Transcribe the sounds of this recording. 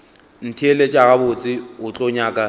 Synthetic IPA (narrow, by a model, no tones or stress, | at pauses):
n̩tʰielet͡ʃʼaɣabʊt͡sʼɪʊt͡ɬʼɔɲaːkʼa